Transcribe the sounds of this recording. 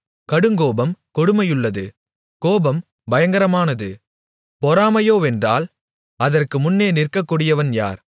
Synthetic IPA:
kɐɽɯŋɡoːbɐmkɔɽɯmɐjɯɭːɐðɯ | koːbɐm | bɐjɐŋɡɐɾɐmaːnɐðɯ | pɔɾaːmɐjoːɛndra̰ːl | ɐðɐrkɯmʊnːeːnɪrkɐkːuːɽɪjɐʋɐnja̰ːɾ

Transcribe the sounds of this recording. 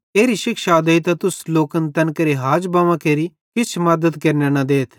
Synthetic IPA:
eːɾiʃɪkʃad̪ɐit̪at̪ʊsloːkənt̪ɐnkɐɾeɦaːd͡ʒbɐʋãkeːɾi | kɪt͡ʃʰmɐd̪əd̪kɐɾnenɐd̪eːt̪ʰ

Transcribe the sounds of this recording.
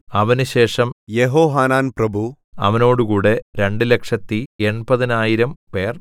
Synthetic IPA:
ɐʋɐnuɕe̞ːʂɐmjeɦoːɦaːnaːnprɐbʱu | ɐ̰ʋɐno̞ːɽukuːɽe̞ɾe̞ɳɖɨle̞kʂɐt̪ːie̞ɳbɐðinaːjiɾɐmpe̞ːr

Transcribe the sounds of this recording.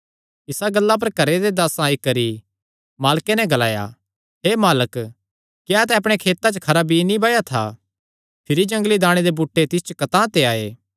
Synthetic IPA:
ɪsaɡɐlːap̬ɐɾkɐɾed̪ed̪aːsãːikɐɾi | maːlkenɛɡɐlaːja̰ | ɦeːmaːlək | kjaːt̪ɛɐp̬ɽ̃ekʰeːt̪at͡ʃkʰɐɾabʱinibaːjat̪ʰa̰ː | pʰɪɾid͡ʒɐ̃ŋɡlid̪aːɽ̃ed̪ebuːʈːet̪ɪs̬t͡ʃkɐt̪ãt̪eaːḛː

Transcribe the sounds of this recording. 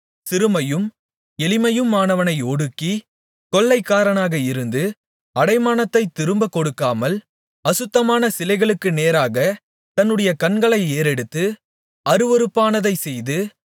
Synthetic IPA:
sɪɾɯmɐjɯm | ɛlɪmɐjɯmːaːnɐʋɐnɐɪɔɽɯkːi | kɔlːɐɪkːaːɾɐnaːɣɐɪɾɯnd̪ɯ | ɐɽɐɪmaːnɐt̪ːɐɪt̪ːɪɾɯmbɐkɔɽɯkːaːmɐl | ɐsɯt̪ːɐmaːnɐsɪlɐɪɣɐɭɯkːɯneːɾaːɣɐ | t̪ɐnːɯɽɐjɐkɐnɡɐɭɐɪeːɾɛɽɯt̪ːɯ | ɐɾɯʋɔɾɯpːaːnɐðɐɪsɛjðɯ

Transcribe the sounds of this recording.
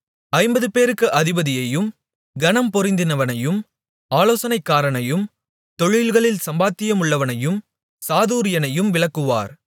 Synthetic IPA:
ɐɪmbɐðɯpeːɾɯkːɯʔɐðɪbɐðɪjɐjɯm | ɡɐnɐmpɔɾɪnd̪ɪnɐʋɐnɐjɯm | aːloːsɐnɐɪkːaːɾɐnɐjɯm | t̪ɔɻɪlɣɐɭɪlsɐmbaːt̪ːɪjɐmʊɭːɐʋɐnɐjɯm | saːðuːɾɪjɐnɐjɯmʋɪɭɐkːɯʋa̰ːɾ

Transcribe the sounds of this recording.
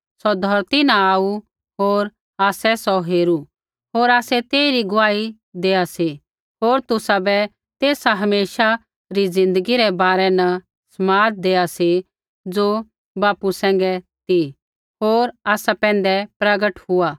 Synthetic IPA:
sɔd̪ʱɔɾt̪inaaːu | ɦoːɾ | aːsɛsɔɦeːɾu | ɦoːɾaːsɛt̪eːiɾiɡʊʋaːi | d̪eːasi | ɦoːɾt̪ʊsabɛ | t̪eːsaɦɐmeːʃa | ɾid͡zɪ̃nd̪əɡiɾɛbaːɾɛnɐ | sɐmaːt̪̚d̪eːasi | d͡zoː | baːpusɛ̃ːŋɡɛt̪i | ɦoːɾaːsapɛ̃ːn̆d̪ɛpɾɐɡəʈɦʊa

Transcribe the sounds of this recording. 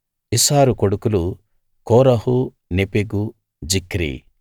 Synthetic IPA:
isaːɾukoɽukulu | kɔːɾɐɦu | nepeɡu | d͡ʒikɾḭ

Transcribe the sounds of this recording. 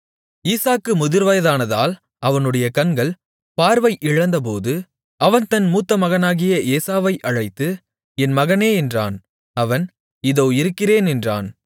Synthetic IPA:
iːsaːkːɯmʊðɪɾʋɐjɐðaːnɐðaːl | ɐʋɐnɯɽɐjɐkɐnɡɐɭ | paːɾʋɐɪʔɪɻɐnd̪ɐp̬oːðɯ | ɐʋɐnt̪ɐnmuːt̪ːɐmɐɣɐnaːɣɪjɐʔeːsaːʋɐɪʔɐɻɐɪt̪ːɯ | ɛnmɐɣɐneːɛndra̰ːn | ɐʋɐn | ɪðoːɪɾɯkːɪreːnɛndra̰ːn

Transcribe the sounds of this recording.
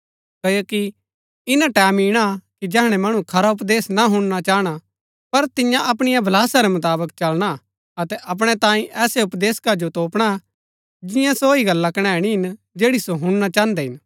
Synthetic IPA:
kɐjoːki | ɪnãʈɛːmiːɽ̃akid͡ʒɛɦɽ̃ɛmɐɽ̃ũkʰɐɾaʊpd̪eːsnaɦʊ̃ɽ̃nat͡ʃaːɽ̃a | pɐɾt̪ɪjãʔɐp̬ɽ̃ɪjabʱɐlaːsaɾɛmʊt̪aːbəkt͡ʃɐlɽ̃a | ɐt̪ɛʔɐp̬ɽ̃ɛt̪ãːĩʔɛːseʊpd̪eːskad͡ʒot̪oːpɽ̃a | d͡ʒɪjãsoːiɡɐlːakɐɽ̃ɛ̃ːɽ̃iɦɪn | d͡ʒeːɽisoɦʊ̃ɽnat͡ʃãːnd̪ɛɦɪn

